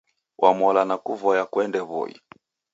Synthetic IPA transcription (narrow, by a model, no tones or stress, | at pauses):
wʔamɔlanakuvɔjakwɛndɛβɔ̰ḭ